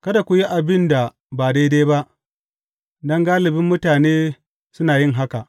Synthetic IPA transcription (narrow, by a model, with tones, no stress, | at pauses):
kɐ˦da˨kʷu˨ji˦ʔa˨bɪ˦nda˨ | baː˨da˦jda˦ba˦ʔ | dɐ˦ŋɡaː˦lɪ˨bɪ˦mːʊ˦taː˨neː˦ | sʊ˦naː˨jɪ˦ŋɦa˦ka˨ʔ